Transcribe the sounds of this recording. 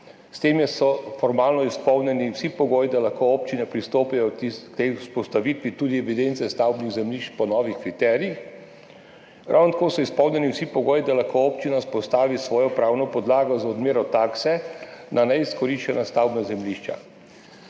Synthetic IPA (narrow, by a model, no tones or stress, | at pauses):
st̪eːmjɛsɔfɔɾmaːlnɔispɔwnʲɛniwsipɔɡoːjid̪alaxkooːp̚t͡ʃinɛpɾist̪oːpijɔt̪ikt̪euspɔst̪aʋit̪ʋit̪ud̪iɛʋid̪ent̪sɛst̪awbniɣzɛmliʃt͡ʃpɔnɔːʋixkɾit̪ɛːɾiix | ɾʔa̰wnɔt̪akoːsɔispɔwnʲɛniwsipɔɡoːjid̪alaxkooːpt͡ʃinaspɔst̪aːʋisʋɔːjɔpɾaːwnɔpɔd̪laːɡɔzɔd̪meːɾɔt̪aːksɛnanɛiskɔɾiʃt͡ʃɛnast̪awbnazɛmliʃt͡ʃa̰